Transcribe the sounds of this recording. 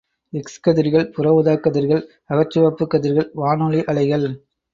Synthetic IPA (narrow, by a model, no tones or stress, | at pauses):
ɛkskɐðɪɾɣɐɭpʊɾɐʋɯðaːkːɐðɪɾɣɐɭ | ɐɣɐt͡ʃːɯʋɐpːɯkːɐðɪɾɣɐɭʋaːnɔɭiʔɐɭɐɪɣɐɭ